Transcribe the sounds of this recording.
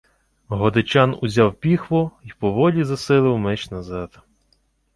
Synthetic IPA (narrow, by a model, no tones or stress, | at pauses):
ɦɔd̪ɪt͡ʃɑnʊzʲɑwpʲixʋɔipɔʋɔlʲizɐsɪlˠɪwmɛt͡ʃnɐzɑd̪̥